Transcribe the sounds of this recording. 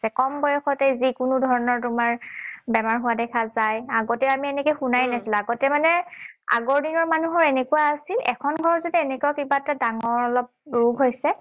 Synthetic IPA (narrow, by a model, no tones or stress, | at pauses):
sɛkɔmbɔjɛxɔtɛjzikʊnʊdʱɔɹɔnɔɹtʊmaɹbɛmaɹɦuadɛkʰazajaɡɔtɛamiɛnɛkojxunajnasilaɡɔtɛmanɛa̰ɡɔɹdinɔɹmanuɦɔɹɛnekuwaːsilɛkʰɔnɡʱɔɹɔzodienekuakibaɛtadaŋɔɹɔlɔp̚ɹuɡʱɦojsɛ